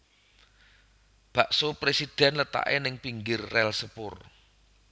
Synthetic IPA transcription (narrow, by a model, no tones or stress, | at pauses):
b̥a̤ʔsopɾesid̥ɛ̤nlət̪a̰ʔḛnɪŋpiŋɡɪrːɛlsəpʊr